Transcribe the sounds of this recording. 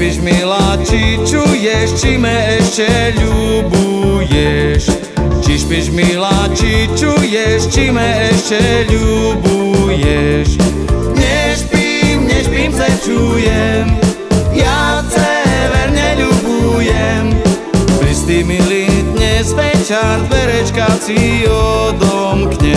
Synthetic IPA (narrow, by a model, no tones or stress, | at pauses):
piʃmilat͡ʃit͡ʃujɛʃt͡ʃimɛɛʃcɛʎubu | jɛʃ | t͡ʃiʃpiʃmilat͡ʃit͡ʃujɛʃt͡ʃimɛɛʃt͡ʃɛʎubujɛʃ | ɲɛʃpimɲɛʃpiːmzɛt͡ʃujɛm | jat͡sɛʋɛɾɲɛʎubujɛm | pɾist̪imilid̪ɲɛsʋɛcanʋɛɾɛt͡ʃkasiɔd̪ɔmkɲɛ